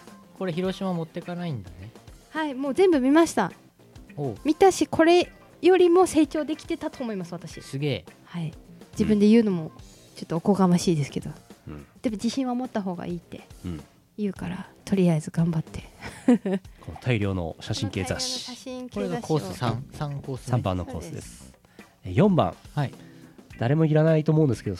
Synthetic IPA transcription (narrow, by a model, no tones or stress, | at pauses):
ko̞ɾe̞çiɾo̞ɕimamo̞t̪ːekanaĩnd̪anehaimo̞ːzẽ̞mbɯ̟mʲimaɕi̥t̪a | omʲit̪aɕikʰo̞ɾe̞ | jo̞ɾʲimo̞se̞ːt͡ɕo̞ːd̪e̞kʲi̥t̪e̞t̪at̪o̞ːmo̞imasɨβat̪aɕḭsɨɡe̞ːhaid͡ʑibɯ̟̃nd̪e̞jɯ̟ːno̞mo̞ | t͡ɕo̞t̪ːoːko̞ɡamaɕiːd̪e̞sɨ̥ke̞d̪o̞d̪̥e̞mo̞d͡ʑiɕĩɰ̃βamo̞t̪ːaɦo̞ːɡa̰ʔiːt̪ːe̞̰ | jɯ̟ːkaɾat̪ʰo̞ɾʲiazɨɡãmbat̪ʰːe̞̥ | kʰonot̪ʰaiɾʲo̞ːno̞̰ɕaɕĩŋke̞ːzaɕi̥aɕĩŋkɾeaoːsãsãŋkoːssãmbã̰nːoko̞ːsɨd̪e̞̰sɨ̥ | ejõ̞mbã̰ŋhaid̪̥aɾe̞moiɾanait̪oːmoɯ̃nd̪e̞sɨ̥ke̞d̪o